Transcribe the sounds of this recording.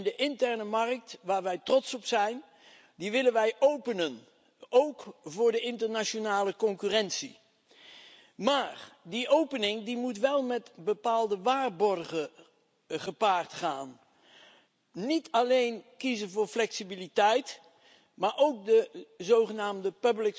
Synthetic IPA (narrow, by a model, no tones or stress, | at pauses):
ndəʔɪntɛɹnəmɑrk̚tʋaːɹʋɛjtrɔtsɔpsɛjn | diʋɪlənʋɛjʔowpənən | owkvʊːɹdəɪntəɹnaʃonaːləkɔŋkyrɛnsḭ | maːrdiʔowpənɪŋdimutʋɛlˠmɛtbəpaːlˠdəʋaːrbɔrχə | χəpaːrtχaːn | nitɑlejnkizənvʊːɹflɛksibilitɛjt | maːɹʔowk̚dəzowχənaːmdəpɵblɪk